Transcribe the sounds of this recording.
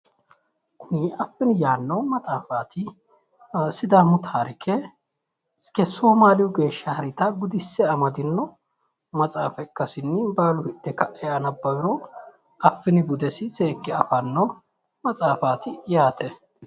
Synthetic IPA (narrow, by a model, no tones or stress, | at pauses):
kʰʊnɪʔɐfːɪnɪjaːnːɐwmɐt͡sʼaːfaːt̪ʰɪ | sɪd̪amʊt̪ʰaːɾɪkʰɛ | kɛsoːmaːlɪjʊɡe̞ːʃːɐhɐɾɪt̪ɐɡʊd̪ɪsːɛɐmɐd̪ɪnːɔ | mɐt͡sʼaːfɛkːɐsɪnːɪbaːlʊhɪdːɛkɐʔɛjɐnɐbːɐbɪɾɔ | ɐfːɪnɪbʊd̪ɛsɪseːkːɪɐ̰fɐnːo | mɐt͡sʼaːfaːt̪ɪjaːt̪ʰɛ